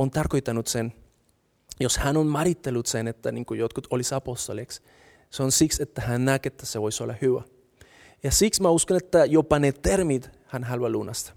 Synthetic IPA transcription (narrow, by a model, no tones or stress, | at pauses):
ont̪ɑrko̞jt̪ːɑnut̪sen | joshænonmɑɾit̪ːelːut̪senet̪ːæniŋkujot̪̚kut̪ʰolisɑpost̪oleks | seonsikset̪ːæhænːæket̪ːæseʋojsolːɑhywæ | jɑsiksmæuskonet̪ːæjopɑnet̪ermit̪ | hænɦɑlwɑlunɑst̪ɑ̥